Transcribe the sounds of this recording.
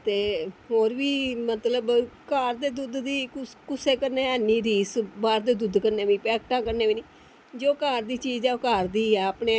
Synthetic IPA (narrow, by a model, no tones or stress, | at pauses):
t̪eːɦoːɾʋiːmət̪ləbkaːɾd̪eːd̪ʊd̪d̪iːkkʊseːkəɾneːəniːɾiːsbaːɾd̪eːd̪ʊd̪kəɾneːʋiːpɛːkʈãːkəɾneːʋiːniː | d͡ʒoːkaːɾd̪iːt͡ʃiːd͡ʒaːkaːɾd̪iːapneː